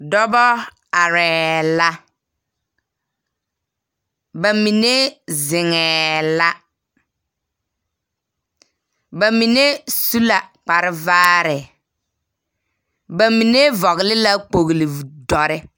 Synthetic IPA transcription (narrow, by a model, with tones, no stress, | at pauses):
dɔ˦bɔ˦ | a˨ɾɛː˨la˦ | ba˨mi˨ne˦zɪ˨ŋɛː˨la˦ | ba˨mi˨ne˦su˦la˨k͡pa˨ɾɪ˦vaː˦ɾɛ˨ | ba˨mi˨ne˦vɔ˨ɣlɪ˦la˦k͡po˨ɣlɪ˨dɔ˨ɾɪ˦